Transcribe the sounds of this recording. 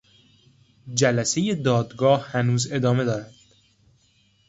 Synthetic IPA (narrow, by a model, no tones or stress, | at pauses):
d͡ʒælæseje̞d̪ɒːd̪ɡɒːhhænuːze̞d̪ɒːme̞d̪ɒːɾæd̪̥